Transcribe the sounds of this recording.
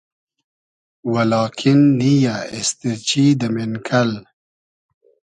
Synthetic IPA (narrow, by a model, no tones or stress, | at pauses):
walɑːkʰinːijaɪst̪iɾt͡ɕid̪əmɪnkʰal